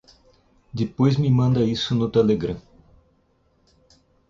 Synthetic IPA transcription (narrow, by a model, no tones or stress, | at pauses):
d̪ɪpojzmɪmɐ̃nd̪ɐisʊnʊt̪eleɡɾɐ̃